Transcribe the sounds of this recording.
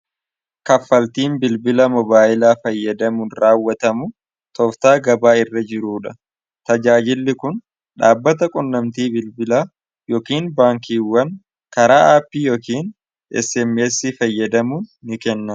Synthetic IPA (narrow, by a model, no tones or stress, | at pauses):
kɐfːɐlt̪iːnbɪlbɪlɐmɔbaːʔɪlaːfɐjːɐd̪ɐmʊnɾaːwːɐt̪ɐmʊ | t̪ɔft̪aːɡɐbaːɪrːɐd͡ʒɪɾuːᶑɐ | t̪ɐd͡ʒaːd͡ʒɪlːɪkʊn | ɗaːbːɐt̪̬ɐkʼʊnːɐmt̪iːbɪlbɪlaː | jɔkiːnbaːŋkiːwːɐn | kɐɾaːʔaːpːiːjɔkiːn | ɛ̰sɛmːesːiːfɐjːɐd̪ɐmunːɪkɛnːɐ